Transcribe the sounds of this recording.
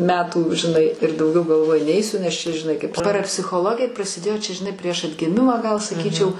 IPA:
mʲɛtuː ʒʲɪˈnɐɪ ɪr dɐʊˈɡʲɛʊ ɡɐlˠˈʋoːjʊ ˈnʲɛɪsʲʊ nʲɛs t͡ʃʲɛ ʒʲɪˈnɐɪ kɐɪp pɐrɐpʲsʲɪxoːˈlˠoːɡʲɪjɛ prɐsʲɪˈdʲeːjoː ˈt͡ʃʲɛ ʒʲɪˈnɐɪ pʲrʲiɛʃ ɐdʲɡʲɪˈmʲɪmɑː ɡɐlˠ sɐˈkʲiːt͡ʃʲɛʊ

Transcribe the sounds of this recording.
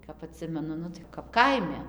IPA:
kɐp ɐˈtʲsʲɪmʲɛnʊ ˈnʊ tɐɪ kɐp ˈkɐɪmʲɛ

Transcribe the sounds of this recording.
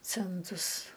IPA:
ˈt͡sʲɛntʊs

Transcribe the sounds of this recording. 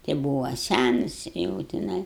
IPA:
tʲɪ ˈbuːʋɐ ˈsʲænɐs jɛʊ tʲɪˈnɐɪ

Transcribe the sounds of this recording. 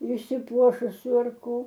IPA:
ɪʃʲsʲɪˈpuɔʃʊsʲʊ ɐr ˈkoː

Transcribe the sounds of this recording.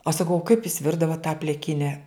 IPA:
ɐʃ sɐˈkɐʊ oː kɐɪp jʊs ˈʋʲɪrdɐʋoːt tɑː pʲlʲɪˈkʲɪnʲɛ

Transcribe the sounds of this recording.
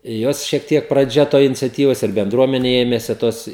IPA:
ˈjoːs ʃʲiɛk ˈtʲiɛk prɐˈd͡ʒʲɛ ˈtoːj ɪnʲɪt͡sʲɛˈtʲiːʋɐs ɪr bʲɛnˈdruɔmʲɛnʲɛ ˈeːmʲɛsʲɪ ˈtoːs

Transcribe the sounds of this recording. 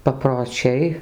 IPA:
pɐproːˈt͡ʃʲɛɪ

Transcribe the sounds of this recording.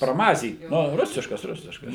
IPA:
prɐˈmɑːzʲiːt ˈnʊ ˈrʊsʲɪʃkɐs ˈrʊsʲɪʃkɐs

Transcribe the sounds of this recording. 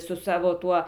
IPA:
sʊ ˈsɑːʋoː ˈtuɔ

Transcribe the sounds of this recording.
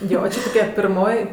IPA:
ˈjoː ˈt͡ʃʲɪ toːˈkʲɛ pʲɪrˈmoːj

